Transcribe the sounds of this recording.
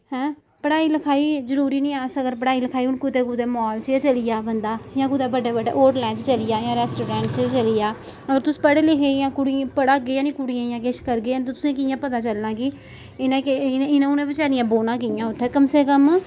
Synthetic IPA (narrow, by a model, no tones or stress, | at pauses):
hɛ̃ː | pəɽaːiːləkʰaːiːzəɾuːɾiːnĩːaːsəɡəɾpəɽaːiːləkʰaːiːʊnkʊt̪eːkuːd̪eːmɔːlt͡ʃt͡ʃəlɪjaːbənd̪aːjãːkud̪aːbəɖeːbəɖḛːʔoːʈlɛ̃ːt͡ʃt͡ʃəlɪjaːjãːɾɛːsʈoːɾãːɳʈt͡ʃt͡ʃəlɪjaː | əɡəɾt̪ʊsi̥ːpəɽeːlɪkʰeːjãːkʊɽĩpəɽaːɡeːãːnĩːkʊɽɪjãːɪjãːkeːʃkəɾɡeːãːnt̪ʊt̪ʊsẽːkɪjãːpət̪aːt͡ʃəlnãːɡiː | ɪnẽːkeɪnãʊnẽːbɪt͡ʃaːɾɪjãːboːnãːk̬ɪjãːʊt̪ʰːɛːkəmseːkəm